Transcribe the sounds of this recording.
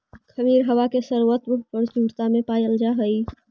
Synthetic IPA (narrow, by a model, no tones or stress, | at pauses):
kʰəmiːɾɦɐʋakesəɾwət̪məpəɾt͡ʃuːɾt̪amẽpaːjəld͡ʒaɦəi